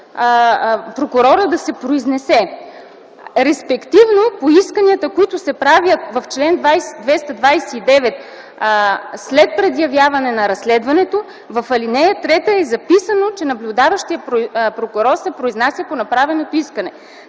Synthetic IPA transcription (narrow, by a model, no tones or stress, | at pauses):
pɾokʊɾɔɾəd̪ɐsɛpɾoiznɛsɛ | ɾɛspɛkt̪ivnopoiskəniət̪əkoit̪ʊsɛpɾavjət̪vɐft͡ʃlɛnd̪vajsd̪vɛst̪ɐd̪vajsɛid̪ɛvɛt̪ | slɛt̪̚pɾɛd̪jɐvjavɐnɛnɐɾɐslɛd̪vɐnɛt̪o | vɐfɐlinɛjət̪ɾɛt̪əɛzɐpisənot͡ʃɛnɐblʲʊd̪avəʃt̪ijəpɾokʊɾɔɾsɛpɾoiznasʲjəponɐpɾavɛnot̪oiskənɛ